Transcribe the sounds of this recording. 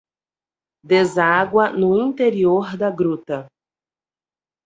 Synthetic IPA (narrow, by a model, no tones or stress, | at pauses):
d̪ezaɡwɐnʊĩnt̪eɾioɾd̪ɐɡɾut̪ɐ